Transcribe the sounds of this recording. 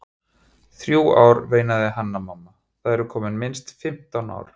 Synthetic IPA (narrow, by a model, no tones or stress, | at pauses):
θɾjuːaːwɾveːjnaðɪɦanːamamːa | θaðɛɾʏkʰɔːmɪnmɪnst̪fɪm̥t̪awna̰wɾ̥